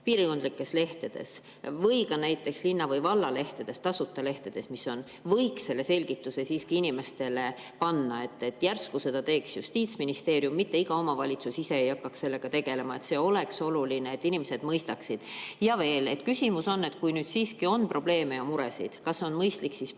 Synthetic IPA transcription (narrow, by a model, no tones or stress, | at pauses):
piːɾiko̞nd̪̥likːˑe̞sle̞ht̪e̞d̪̥e̞̰s | vɤ̞jkɑnæjt̪ːˑe̞kslinːɑvɤjvɑlːɑle̞ht̪ed̪̥e̞st̪ɑsut̪ːˑele̞ht̪ed̪̥e̞smisːo̞n | vɤjksse̞lːe̞se̞lʲɡ̥it̪ːˑuse̞siːskiinime̞st̪e̞le̞ | pɑnːɑe̞t̪ːˑe̞t̪ːjærskuse̞d̪̥ɑt̪e̞ːksjṵst̪iːt̪sminist̪e̞ːɾjumːit̪ːe̞iɡ̥ɑo̞mɑvɑlʲit̪susise̞ejɑkːɑksse̞lːe̞ɡ̥ɑt̪e̞ɡ̥e̞le̞mɑe̞t̪se̞ːo̞le̞kso̞lulineet̪ːˑinimese̞d̪̥mɤjst̪ɑksid̪̥jɑve̞ːle̞t̪kysimuso̞nːe̞t̪kujnyːd̪̥siːskio̞nprʔo̞b̥le̞ːme̞jɑmuɾesḭd̪̥kɑso̞nmɤjst̪liksis